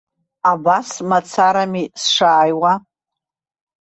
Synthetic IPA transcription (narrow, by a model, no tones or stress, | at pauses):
abasmat͡sʰaɾamisʂaːjwa